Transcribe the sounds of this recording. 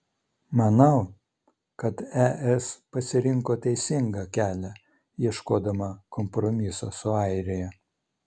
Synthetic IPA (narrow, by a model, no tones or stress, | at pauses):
mɐnɐʊ | kɐt̪ɛʔɛspɐsʲɪɾʲɪŋkoːt̪ʲɛɪsʲɪŋɡɐkʲæːlʲɛ | jiɛʃkoːd̪ɐmɐkɔmpɾɔmʲɪso̰ːsʊɐˑɪɾʲɪjɛ